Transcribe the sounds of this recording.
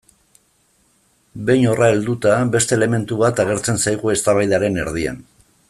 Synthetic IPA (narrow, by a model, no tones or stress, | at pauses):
be̞jɲo̞rae̞ld̪ut̪abe̞st̪e̞ːle̞me̞nt̪uβat̪aɣ̞e̞ɾt͡se̞nsajɣ̞ue̞st̪aβajðaɾe̞ne̞̰ɾð̞ia̰n